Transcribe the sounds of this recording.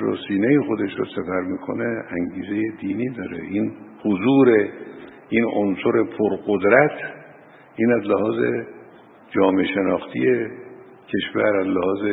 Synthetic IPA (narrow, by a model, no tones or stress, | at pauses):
ɾo̰ːsiːnejexod̪e̞ʃɾɔ̰sæfæɾmiːkʰo̰neæŋɡiːze̞jed̪iːniːd̪ɒːɾe̞̰ʔinhozuːɾe̞ | inonsoɾe̞pʰoɾɢod̪ɾæt̪ʰ | ʔiːnæzlehɒːzḛ | d͡ʒɒːmeʃe̞nɒːxt̪ʰije | cʰe̞ʃvæ̰ɾæzlehɒːze